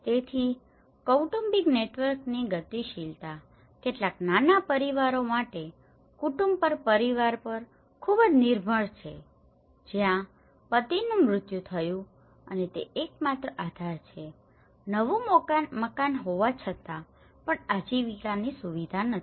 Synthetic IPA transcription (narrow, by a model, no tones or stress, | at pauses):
t̪et̪ʰi | kowʈumbiɡneʈʋəɾkniɡət̪iʃilt̪a | keʈlaknanapəɾiʋaɾomaʈe | kuʈumbpəɾpəɾiʋaɾpəɾ | kʰubəd͡ʒniɾbʱəɭt͡ʃʰe | d͡ʒjã | pət̪inũmɾʊt̪jut̪ʰəjũ | ənet̪ḛːk̚mat̪ɾəʔad̪ʱaɾt͡ʃʰe | nəʋũməkanɦoʋat͡ʃʰət̪a | pəɳad͡ʒiʋikanisuʋid̪ʱanə